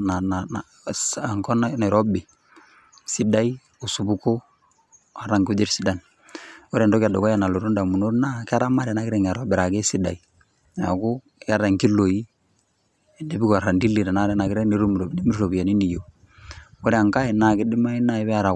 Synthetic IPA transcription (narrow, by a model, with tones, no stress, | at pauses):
na˨n˨ | ŋkɔ˦na˦na˨ɾɔ˦bɪ˨ | si˦da˦i˦ | u˨su˨bu˦ko˦ | a˨ɾa˦ŋku˦d͡ʒi˦ɾsi˦da˨n | ɔ˦ɾa˨ndɔ˦ka˨dɔ˨kɔ˦ja˨na˨lo˨ɾu˦nda˨mu˨no˦ɾna˦kɪ˦a˦ɾa˦ma˦ɾa˨na˦kɪ˦ɾɛ˦ŋ˨a˨ɾɔ˦bɪ˨ɾa˨ɡɛ˦si˦da̰˨i˨ | a̰˨kʊ˦ | ja˦ɾa˨ŋki˦lo˨i˦˨ | ne˨bi˦ka˨ɾa˨ndi˦li˨ɾa˨na˦ɾɛ˦na˨kɪ˦ɾɛ˦ni˨ɾu˦m˨ɾbdi˦mi˦ɾɾo˨bi˨a˨ni˦ni˨jo˨ | ɔ˦ɾɛ˦a˨ŋka˦ɪ˨na˨kɪ˦dɪ˦ma˦i˦na˦ɛ˦βɛ˦a˦ɾa˨